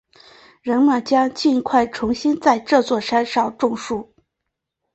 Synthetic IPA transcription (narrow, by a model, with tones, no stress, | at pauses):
ɻə˧˥nmə˥˩nt͡ɕjɑ˥ŋt͡ɕi˥˧nkʰwa˥˩ɪʈ͡ʂʰʊ˧˥ŋɕi˥nt͡sa˥˧ɪʈ͡ʂɤ˥˧t͡swɔ˥˩ʂa˥nʂɑ˥˩ʊʈ͡ʂʊ˥˧ŋʂu˥˩